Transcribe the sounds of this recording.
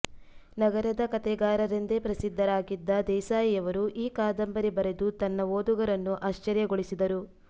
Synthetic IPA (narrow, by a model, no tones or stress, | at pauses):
nɐɡɐɾɐd̪ɐkɐt̪ɛɡaːɾɐɾend̪epɾɐsid̪ʱːɐɾaːɡid̪ːɐd̪ɛːsaːjijɐʋɐɾuʔiːkaːd̪ɐmbɐɾibɐɾe̞d̪ut̪ɐnːɐʋoːd̪uɡɐɾɐnːuʔaːʃt͡ʃɐɾjɐɡoɭisid̪ɐɾu